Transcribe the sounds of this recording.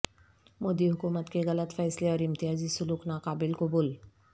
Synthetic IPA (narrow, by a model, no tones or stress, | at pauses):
moːd̪iɦʊkumət̪keɣɐlət̪fɛjsleɔːɾɪmt̪ɪɦaːd͡ʑiːsʊluːknaqaːbɪlkoboːl